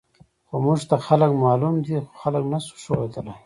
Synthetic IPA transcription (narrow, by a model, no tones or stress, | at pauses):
xomuʐt̪axaləkmɑlumd̪ixo̥xaləknasu̥ʃowed̪əla